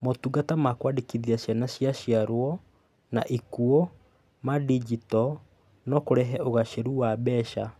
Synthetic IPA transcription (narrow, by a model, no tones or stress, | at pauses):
motuɡatamakwadikiðiaɕjanaɕjaɕiaɾwɔ | na̰ʔikuo | madid͡ʒitɔ | nɔkoɾɛɦɛʔoɣaʃeɾuwabɛʃa̰